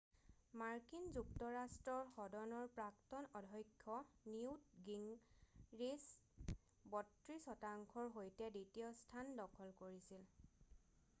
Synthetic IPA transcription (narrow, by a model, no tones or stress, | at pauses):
maɹkinzuktɔɹastɹɔɹxɔdɔnɔɹpɹaktɔnɔdʱɔjkʰːɔniwtɡiŋ | ɹis | bɔtɹisɔtaŋkʰɔɹɦojtɛditijɔstʰandɔkʰɔlkoɹisil